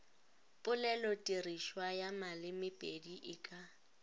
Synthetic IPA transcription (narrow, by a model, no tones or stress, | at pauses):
pʼʊlɛlɔtʼiriʃwajamalɪmɪpʼediʔɪkʼa